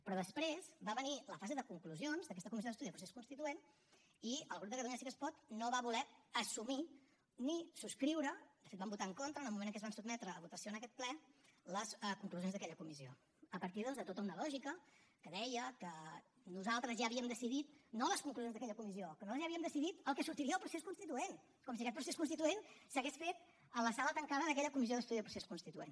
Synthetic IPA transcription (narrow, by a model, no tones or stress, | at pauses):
pɾɔðəspɾezbaβəniləfazeðəkuŋkluzionzðəkɛst̪əkumiz̬ioðəst̪uðiðpɾuseskunst̪it̪uen | iəlˠɣɾub̚d̪əkəðuɲasikəspɔt̪noβaβulɛəsumi | nisuskɾiwɾəd̪əfet̪̚bambut̪aəŋkont̪ɾənəlˠmumenəŋkɛzβansubmɛt̪ɾəːβut̪əsioənəkɛt̪̚plɛləsəkuŋkluzjonzðəkɛʎəkumizio̰ | əpəɾt̪iðɔnzðət̪ot̪əunəlɔʒikəkəðɛjəkə | nuzalˠt̪ɾəzjaːβiəmd̪əsiðit̪noləskuŋkluzonzðəkɛʎəkumiziokənoləzʒjaβiəmd̪əsiðit̪əlˠkɛsuɾt̪iɾiəðəlˠpɾuseskunst̪it̪uen | kɔmsiəkɛt̪̚pɾuseskuns̬t̪it̪uensəɣesfet̪̚ | ələsalət̪əŋkaðəðəkɛʎəkumizioðəst̪uðiðəpɾuseskunst̪it̪uḛn